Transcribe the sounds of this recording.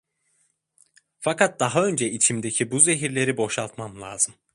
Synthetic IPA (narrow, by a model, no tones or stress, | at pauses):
fakʰat̪̚d̪̥aɦaø̞nd͡ʒɛit͡ʃʰimd̪e̞cʰibuze̞ɦiɾlʲe̞ɾibo̞ʃalˠt̪mamlˠaːz̥ɯm